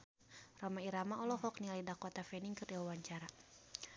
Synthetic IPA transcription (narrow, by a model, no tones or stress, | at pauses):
rɔmaiɾamaɔlɔɦɔk̚nialidakɔt̪afɛniŋkɨrdiwawaɲt͡ʃaɾa